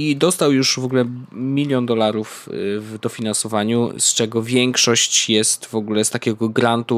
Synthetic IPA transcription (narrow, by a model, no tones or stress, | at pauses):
id̪ɔst̪awjuʂvɔɡulɛmʲilʲjɔnd̪ɔlaɾufvd̪ɔfʲinansɔvaɲṵst͡ʂɛɡɔvʲjɛŋkʂɔɕt͡ɕjɛst̪vɔɡulɛst̪akʲɛɡɔɡɾant̪u